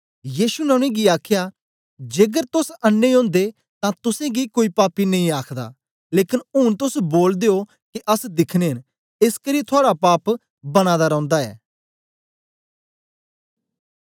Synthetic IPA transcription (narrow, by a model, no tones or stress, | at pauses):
jiːʃunɐ̃ɽ̃ẽɡiaːkʰja | d͡ʒeːɡəɾt̪ʊsɐnːeõːnd̪e | t̪ãt̪ʊsẽɡikoːipaːpinɐɦĩaːkʰd̪a̰ː | leːkɪnʊnt̪ʊsboːld̪eːo | kiʔɐsd̪ɪkʰneːɦən | ɪskəɾiːt̪ʰʊaːɽapaːp | bɐñaːd̪aɾɐ̃ʊ̃nd̪aɛː